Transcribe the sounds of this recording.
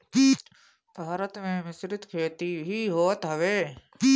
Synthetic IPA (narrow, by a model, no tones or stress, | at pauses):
bʱaːɾət̪mẽmɪsɾɪt̪kʰeːt̪iɦiɦoːt̪ɦɐʋeː